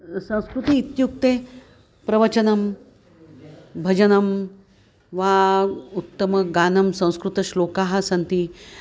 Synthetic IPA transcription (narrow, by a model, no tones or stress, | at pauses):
sɐ̃w̃skɾut̪iːt̪juk̚t̪eː | pɾɐʋɐt͡ʃɐnɐm | bʱɐd͡ʒɐnɐm | ʋaːut̪ːɐmɐɡaːnɐmsɐ̃w̃skɾut̪ɐʃloːkaːɦɐ̆sɐnt̪i